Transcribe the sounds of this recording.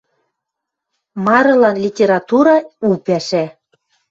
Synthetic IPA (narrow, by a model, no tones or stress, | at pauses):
mɑɾɤ̆lɑnlʲitʲeɾɑt̪uɾɑupæʃæ